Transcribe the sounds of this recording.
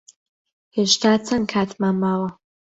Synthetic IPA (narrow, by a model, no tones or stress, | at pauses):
heːʃt̪ʰaːt͡sʰɐnkʰaːt̪maːnmaːwɐ